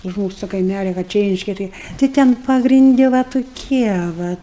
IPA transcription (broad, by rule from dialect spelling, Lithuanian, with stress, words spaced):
ʊʃ ˈmuːsʊ toː kɐɪˈmʲælʲɛ ʋɐ ˈt͡ʃʲɛ ˈrʲɛɪʃʲkʲɛ ˈtɨɪ tɐɪ ˈtʲɛn pɐɡrʲɪnʲˈdʲɪ ʋɐ tʊˈkʲiɛ ˈʋɐ